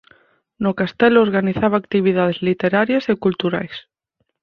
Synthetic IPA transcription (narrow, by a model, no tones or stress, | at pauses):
nokast̪eloɾɣaniθaβaːkt̪iβ̞iðað̞ezlit̪eɾaɾjasekult̪uɾa̰js